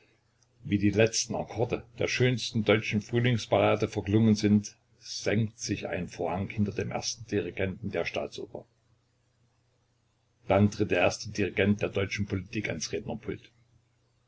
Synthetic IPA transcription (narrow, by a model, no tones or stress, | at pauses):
viːdiːlɛt͡stn̩a̰kʰɔɐdəd̥eːɐʃøːnstn̩dɔʏt͡ʃn̩fʁ̥yːlɪŋspʰaʁaːdəfɛɐɡlʊŋənzɪnt | z̥ɛŋktz̥ɪçʔa̰ɪnfoːɐhaŋhɪntɐdeːmʔḛːɐstn̩d̥iʁiɡɛntn̩deːɐʃta̰ːt͡sʔʊ̰ːpɐ̰ | d̥antʁ̥ɪt̚d̥eːɐʔeːɐstədiʁiɡɛnt̚d̥eːɐdɔʏt͡ʃn̩pʰolitʰiːka̰nsʁeːdnɐpʰʊlt